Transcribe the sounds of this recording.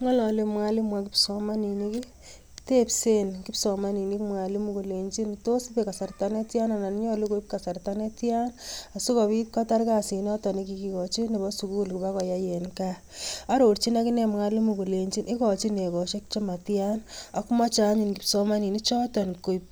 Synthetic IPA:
ŋɔ˦lɔ˨le˨˦mwa˦li˦mwa˦ki˦psɔ˦ma˦ni˨ni˦ki˦ | te˦pse˦nki˦psɔ˨ma˦ni˨ni˦kmwa˨li˦mu˦ko˨le˨ɲt͡ʃi˦nto˦si˦pe˨ka˨sa˨rta˦ne˦tja˦na˨na˨n˦ɲɔ˦le˦ko˦ip̚ka˨sa˨rta˦ne˦tja˦na˨su˦kɔ˨βi˦ka˦ta˦ɾka˦si˨nɔ˦tɔ˨ni˦k̬i˨ki˨kɔ˨t͡ʃi˦ne˨bɔ˦su˨ku˦lku˨ba˦kɔ˨ja˦je˨nka˦ | a˦ɾo˨ɾt͡ʃi˦na˦ki˦ne˦mŋa˦li˦mu˨ko˨le˨ɲt͡ʃi˦nʔi˦kɔ˨t͡ʃi˦ne˨kɔ˨ʃe˦k̚t͡ʃe˦ma˨tja˦na˨ku˦ma˦t͡ʃa˨˦ɲi˨nki˦psɔ˦ma˦ni˨ni˦t͡ʃɔ˦tɔ˨nko˨jp̚

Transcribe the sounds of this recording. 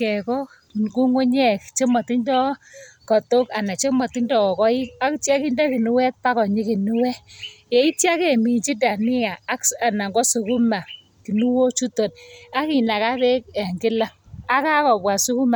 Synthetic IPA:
kɛ˨kɔ˦˨ | ku˦ŋo˦ɲɛ˦kt͡ʃe˦mɔ˨ti˦ndɔ˦kɔ˨to˦ka˨na˨t͡ʃe˦mɔ˨ti˦ndɔ˨ɔ˨kɔ˦ɪ˦a˦ktja˦ki˦nda˦ki˨nu˦wɛ˦t̚pa˦kɔ˨ɲi˦ki˨nu˦wɛ˦je˨i˦tja˦ke˨mi˨nt͡ʃi˦da˨nɪ˦a˨a˦ka˨na˨ŋɡɔ˦su˨ku˦ma˨ | ki˨nu˦wo˦t͡ʃu˦to˨na˦ki˨na˨ka˦be˦k̚a˨ŋɡɪ˦la˦a˦ka˦kɔ˨bwa˨su˦ku˦ma˨

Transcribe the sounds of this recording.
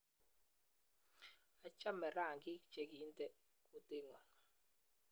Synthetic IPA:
a˨t͡ʃa˦mɛ˨ɾa˦˨ŋki˦t͡ʃɛ˨k̬i˨˦ntʼɛ˦ | ku˦te˦ŋwa˨

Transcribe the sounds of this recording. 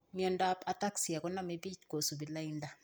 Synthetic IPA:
mi˦o˦˨nda˦pa˨ta˦ksi˨ja˨ko˦na˦me˦bi˦tɡo˨su˨bi˨la˦i˦nda˦

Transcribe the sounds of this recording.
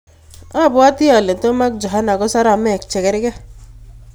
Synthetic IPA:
a˦˨pwa˦t̪i˦a˨le˨t̪o˦ma˦k̚d͡ʒa˨ɦa˦na˨ko˦sa˦ɾa˨me˦˨k̚t͡ʃʰe˨ke˦ɾe˦ɡɛ˦

